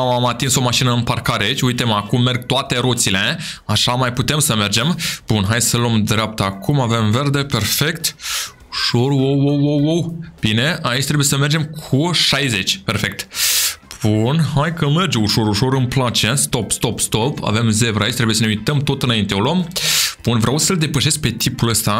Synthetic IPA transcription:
amat̪inso̞maʃinəɨnparkaɾeait͡ʃʲujt̪e̞makumːe̞rɡ̚t̪oat̪e̞ɾot̪sile̞aʃamajput̪e̞msəme̞rd͡ʒe̞mb̥unɦajsəlo̞md̪ɾeap̚t̪əakumave̞mve̞rd̪e̞pe̞rfe̞kt̪ | uʃorwowowowowb̥ine̞ʔait͡ʃʲt̪ɾe̞buje̞səme̞rd͡ʒe̞mkʰuʃajze̞t͡ʃʲpe̞rfe̞k̚t̪ | b̥unɦajkəme̞rd͡ʒeuʃo̞ɾuʃo̞ɾɨnplat͡ʃe̞st̪o̞pst̪o̞pst̪opa̰ve̞mze̞vɾait͡ʃt̪ɾeujesəneujt̪əmt̪o̞t̪ɨnaint̪eolomb̥unvɾeawsəld̪e̞pəʃe̞sk̚pe̞t̪ʰipuləst̪a

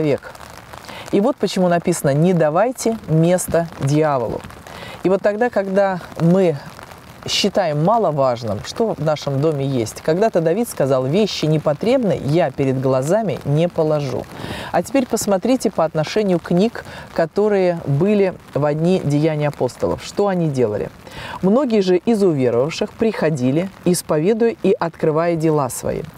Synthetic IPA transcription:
vʲek | ivo̞t̪̚pət͡ɕɪmunɐpʲisənənʲɪd̪ɐvajtʲɪmʲe̞st̪ədʲɪavə̰lˠʊ̰ | ivo̞t̪ːɐɡd̪akɐɡd̪amɨ | ɕːɪt̪ajɪmːɑlˠəvaʐnɨ̰mʂt̪o̞vnaʂɨmd̪o̞mʲɪjesʲtʲkɐɡd̪at̪əd̪ɐvʲit̪skɐzɑlˠvʲeɕːɪnʲɪpɐt̪ɾʲe̞bnɨ̰japʲɪɾʲɪd̪ɡlˠɐzamʲɪ̰nʲepəlˠɐʐṵɐtʲɪ̥pʲeɾʲpəsmɐt̪ɾʲitʲɪpəɐt̪nɐʂɛnʲɪjʊknʲikkːɐt̪o̞ɾɨjəbɨlʲɪvɐdʲnʲidʲɪjænʲɪjɐpo̞st̪ə̰lˠə̰fʂt̪o̞ɐnʲidʲe̞lˠə̰lʲɪ̰mno̞ɡʲɪjəʐɨʔɪzʊvʲe̞ɾəvəfʂɨxpɾʲɪxɐdʲilʲɪɪspɐvʲe̞d̪ʊjʊiʔɐt̪kɾɨvajədʲɪlˠasvɐ̰ḭ

